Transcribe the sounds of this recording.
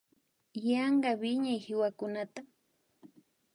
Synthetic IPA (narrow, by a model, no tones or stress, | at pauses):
jɑɴɢɑwɪɲajhɪwakʊnat̪a